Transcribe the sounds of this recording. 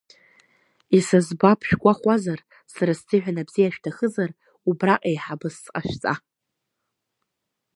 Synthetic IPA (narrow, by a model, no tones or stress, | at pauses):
isazbapʰʃᶣɡʷʼaχʷazar | saɾastɨħᶣʷanabzijaʃᶣtʰaχəzar | ubraqʼejħabɨsːqʼaʃt͡sʼa̰